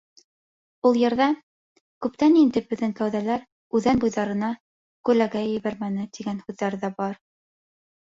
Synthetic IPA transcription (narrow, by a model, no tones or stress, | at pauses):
ulˠjɘ̆ɾðɑ | kʉpt̪ænind̪ɘbɘ̆ðːɘŋkæwðælæɾ | ʉðænbujðɑɾɤ̆nɑ | kʉlæɡæjɘ̆βæɾmænɘt̪iɡænhʉðːæɾðæbɑɾ